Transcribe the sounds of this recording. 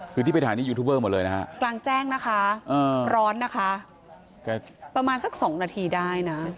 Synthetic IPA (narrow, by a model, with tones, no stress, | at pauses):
kʰɯ˧iː˥˩pe˧t̪ʰaː˩˦t̪ʰiː˥˩u˧t̪ʰu˦˥bɤː˥˩mo˨˩t̚lɤː˧jna˦kʰa̰˦˥ʔklaː˧ŋt͡ɕɛː˥˩ŋna˦˥kʰa˦˥ʔɤː˧ɾɔː˦˥nːa˦˥kʰa˦˥ | kɛ˥˩ | pɾa˧maː˧nsa˨˩k̚sɔː˩˦ŋnaː˧t̪ʰiː˧daː˥˩jna˦˥